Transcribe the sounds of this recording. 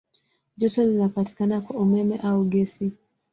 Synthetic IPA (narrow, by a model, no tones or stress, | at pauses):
ʄɔtɔlinapati̥kanakwaumɛmɛʔauɡɛsi